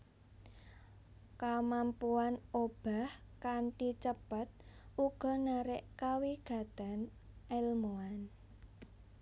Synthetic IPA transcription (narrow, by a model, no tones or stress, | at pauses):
kamampuanob̥a̤hkant̪it͡ʃəpət̪̚uɡ̥ɔ̤naɾɪʔkawiɡ̥a̤t̪anʔɛlmoan